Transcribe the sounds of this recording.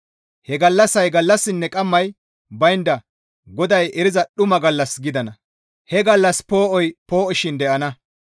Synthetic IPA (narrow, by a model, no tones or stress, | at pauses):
hɛɡɐlːɐsɐjɡɐlːɐsːɪnːɛkʼɐmːɐj | bɐjnd̪ɐ | ɡɔd̪ɐjɛɾɪzɐɗʊmɐɡɐlːɐsɡɪd̪ɐnɐ | hɛɡɐlːɐspo̞ːʔɔjpo̞ːʔɔʃɪnd̪ɛʔɐnɐ